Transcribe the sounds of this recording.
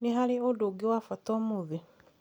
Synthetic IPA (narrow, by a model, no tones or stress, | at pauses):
neɦaɾeodoɡewafatɔmuðe